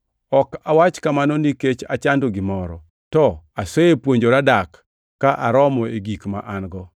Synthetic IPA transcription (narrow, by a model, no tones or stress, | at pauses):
ɔkawat͡ʃkamanɔniket͡ʃat͡ʃandoɡɪmɔɾɔ | tɔaseepwoɲd͡ʒoɾadakː | aʔaɾɔmɔeɡikma̰ʔanɡɔ